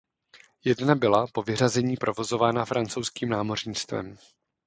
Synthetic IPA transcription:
jɛdnabɪlapo̞vɪr̝azɛɲiːpɾo̞vo̞zo̞vaːnafɾant͡so̞wskiːmnaːmo̞rɲit͡st̪vɛ̰m

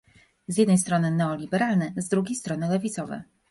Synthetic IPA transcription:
zʲjɛd̪nɛjst̪ɾɔnɘnɛɔlʲibɛɾalnɛzd̪ɾuɡʲejst̪ɾɔnɘlɛvʲit̪sɔvɛ̰

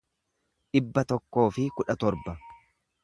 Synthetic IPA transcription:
ᶑɪbːɐt̪ɔkːo̞ːfɪkʊᶑɐt̪ɔɾbɐ

